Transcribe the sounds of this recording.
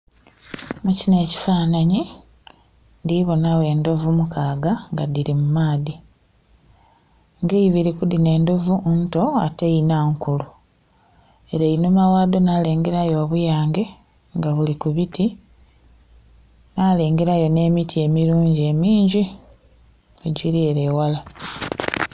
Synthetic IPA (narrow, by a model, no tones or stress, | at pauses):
mucine̞ːci̥faːnaɲi | ndiβo̞nawe̞ːndo̞vumukaːɡaŋɡadiɾimumaːði | ŋɡeiβiɾikudine̞ːndo̞vuʔnto̞a̰te̞inaŋkulu | e̞ɾeinomawaːdo̞naːle̞ːŋɡe̞ɾajo̞ːβujaːŋɡe̞ | ŋɡaβulikuβiti | naːle̞ːŋɡeɾajo̞ne̞ːmitie̞miɾuːɲɟiemiːɲɟi | eɟiɾie̞ɾeːwala